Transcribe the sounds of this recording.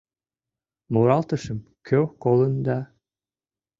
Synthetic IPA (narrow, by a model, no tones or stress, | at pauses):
muɾɑlˠt̪ɤʃɤmkʰøwkolˠɤ̆nd̪ɑ